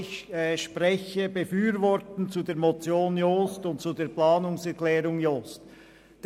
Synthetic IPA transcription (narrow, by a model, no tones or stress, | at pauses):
ɪçʃpʁɛçəbəfyːɾvɔɾtən̩t͡sudeːmot͡sjoːnjoːstʊntt͡sudeːplaːnʊŋsɛɾklɛːɾʊŋjoːst | d̥